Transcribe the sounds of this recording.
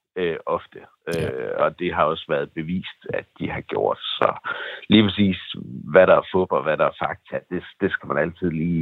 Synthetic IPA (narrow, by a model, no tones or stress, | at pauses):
øʔɒ̽fd̥ə | øɒ̽d̥e̝ɦɑ̈ɒ̽sʋæɐð̞̩ˠb̥e̝ʋḭːsd̥æd̥ihɑ̈ɡ̥jo̝ɐ̰d̥sɒ̽liːpʰʁɛsḭːsʋæɾɑ̈æɐfɔb̥ɐʋæɾɑ̈æɐfɑ̈ɡ̥̚t͡sʰæd̥e̝sd̥e̝sɡ̥æmænæl̰t͡sʰið̞̰ˠliː